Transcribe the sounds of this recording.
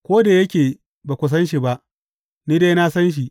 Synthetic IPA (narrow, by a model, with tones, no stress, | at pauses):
kʷoː˦da˨jɐ˦kʲeː˨ | baː˨kʷʊ˦s̬ɐ˦nʃi˨ba˦ʔ | niː˦deː˦jna˦sɐ˦nʃ̬i˨